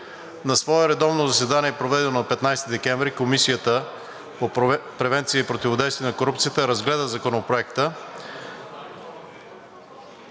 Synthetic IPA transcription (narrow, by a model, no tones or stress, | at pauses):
nɐsvɔɛɾɛd̪ɔvnozɐsɛd̪aniɛpɾovɛd̪ɛnonɐpɛt̪najst̪id̪ɛkɛ̃ɱvɾikomisijət̪ə | popɾɛvɛnt̪siəipɾot̪ivod̪ɛjst̪vʲiənɐkoɾup̚t̪sijət̪əɾɐzɡlɛd̪əzɐkonopɾoɛkt̪ə